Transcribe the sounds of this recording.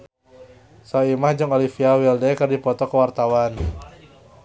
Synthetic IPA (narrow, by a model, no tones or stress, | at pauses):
sɔimahd͡ʒʊŋolifiawildɛkɨrdipɔt̪ɔkəwart̪awan